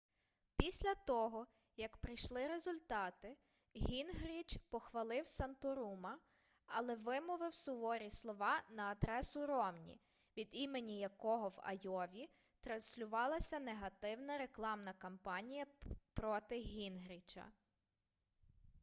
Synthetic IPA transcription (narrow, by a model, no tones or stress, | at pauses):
pʲisʲlʲɐt̪ɔɦɔ | jɐkpɾɪjʃlˠɪɾe̞zʊlʲt̪ɑt̪ɪ | ɦʲinɦɾʲit͡ʃpɔxʋɐlˠɪwsɐnt̪ʊɾumɐː | lˠɛʋɪmʊʋɪwsʊʋɔɾʲislˠɔʋɑnɐːd̪ɾɛsʊɾɔmnʲḭ | ʋʲid̪imenʲijɐkɔɦɔwɐ̰jɔʋʲi | t̪ɾɐnsʲlʲʊʋɑlˠɐsʲɐneɦɐt̪ɪwnɐɾe̞klˠɑmnɐkɐmpɑnʲijɐpɾɔt̪ɪɦʲinɦɾʲit͡ʃɐ̰